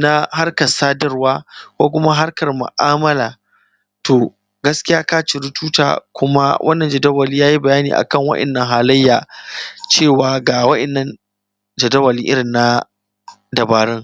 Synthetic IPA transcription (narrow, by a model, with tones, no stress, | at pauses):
na˦ha˦rkɐ˨saː˦dɐ˦rwaː˦kʷoː˦k̬ʷʊ˦ma˦ɦa˦rkɐ˨rmʊ̰˨ʔaː˦mɐ˦laː˨ | toː˨ | ɡɐ˦skʲɪ˦jaː˦kaː˦t͡ʃɪ˨ɾʊ˦tuː˦ta̰ː˨kʷʊ˦ma̰˦wʔɐ̰˦nːɐ˨nd͡ʒɐ˨dɐ˦wɐ˨liː˦jaː˦ji˦bɐ˨jaː˦nḭː˨ʔa̰˨kɐ˦˨ŋwɐ̰˦ɗɛ̰˨nːɐ˦ŋɦaː˨lɐ˦jːaː˨t͡ʃeː˦˨waː˨ɡaː˨wɐ˦ɗɛ˨nːɐ˦n | d͡ʒɐ˨dɐ˦wɐ˨liː˦ʔɪ˦ɾɪ˨nːa˦ | dɐ˨baː˨ɾɪ˦ŋ